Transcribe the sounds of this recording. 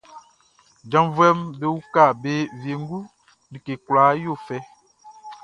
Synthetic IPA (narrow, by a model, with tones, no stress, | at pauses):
d͡ʒã˨˦mvɛ˦mbe˦wu˦ka˦˨be˦vje˨ŋ˦ɡu˦ | nĩ˨ke˨kwlaː˨˦jo˦˨fɛ˦